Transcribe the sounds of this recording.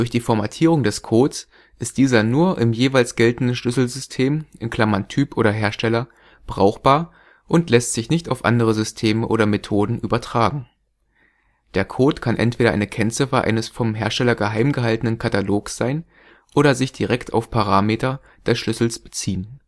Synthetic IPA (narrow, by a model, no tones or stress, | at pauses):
d̥ʊɐçd̥iːfɔɐmatʰiːʁʊŋdɛskʰoːts | ʔɪst̚d̥iːzɐnuːɐʔɪmjeːvaɪlsɡ̥ɛltn̩dn̩ʃlʏsl̩zʏstʰeːmʔɪnkl̥amantʰyːpʔoːɾɐɦeːɐʃtɛlɐ | b̥ʁa̰ʊxb̥aːɐ | ʔʊntlɛstz̥ɪçnɪçtaʊfʔa̰ndəʁəzʏstʰeːməʔo̰ːɾɐmetʰoːdn̩ʔyːbɐtʁ̥aːɡŋ̩ | d̥eːɐkʰoːtkʰanʔɛ̰ntv̥eːɾɐ̰ʔa̰ɪnəkʰɛnt͡sɪfɐʔa̰ɪnəsfɔmɦeːɐʃtɛlɐɡəɦaɪmɡəɦaltənənkʰataloːksz̥aɪn | ʔoːɾɐzɪçd̥iʁɛktʰa̰ʊfpʰaʁ̞aːmeːtɐ | d̥ɛsʃlʏsl̩sb̥ə̥t͡siːən